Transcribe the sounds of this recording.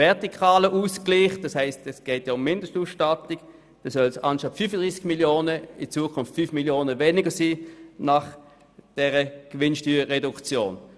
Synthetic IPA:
vɛɐtikʰaːləʔuːskliːχd̥ɑshɛɪstɛsɡ̥eːtjaːʊmːɪndəstuːsʃtatɪɡ | d̥oːsœlsɑnʃɑtfyfəd̥ʁiːsɪɡ̥miljoːnəɪt͡suːəkʰʊnftfyfmiljoːnəveːnɪɡəɐsiːnaχ | d̥ɛːʁəɡ̥vɪnʃtyːʁɛdʊkt͡sjo̰ːn

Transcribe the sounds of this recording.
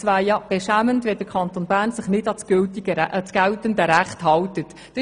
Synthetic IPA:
t͡sʋaːjɑb̥ɛʃæməntʋɛd̥əɾkʰɑntonbæːɾnsɪχnɪdɑsɡ̥ʏltiɡ̥əʔsɡ̥æltəndəɾæχthɑltət̪ | d̥ə

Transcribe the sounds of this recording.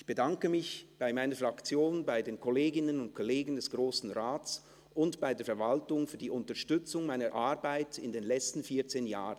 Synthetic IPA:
ɪçb̥ədaŋkəmɪçb̥aɪmaɪnəfʁakt͡sjoːnbaɪdeːnkʰɔleːɡɪnənʊntkʰɔleːɡn̩dɛsɡ̥ʁoːsn̩ʁaːt͡s | ʔʊntb̥aɪdeːɐfɛɐvaltʊŋfyːɐdiːʊntɐʃtʏt͡sʊŋmaɪnəʔaʁbaɪtɪndeːnlɛt͡stn̩fiːɐt͡seːnjaːʁənn

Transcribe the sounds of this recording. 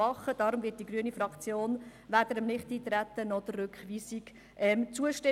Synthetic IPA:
ɑχəd̥ɑːɾʊmvɪːt̚diɡɾyənifɾɑkt͡sjoːnʋæd̥əɾəmnɪχtiːt̪ɾæt̪ːənɔd̪̥ərːʉkχʋiːsiɡ | ʔɛmt͡suəʃtɛ

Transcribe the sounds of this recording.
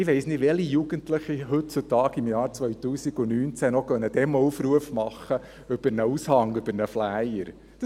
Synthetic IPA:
ɪʋɛɪsnɪdʋɛlijuɡ̥əntləχiɦʏt̚t͡sutɑːɡɪmjɑːɾt͡sʋœʏt̪uːsiɡ̥ʊnyːnt͡sænɔχœnːəd̥̪ɛmuːfɾuəfmɑχːə | ʏb̥əɾnəushɑŋʏbəɾnəflæjəɾ | d̥

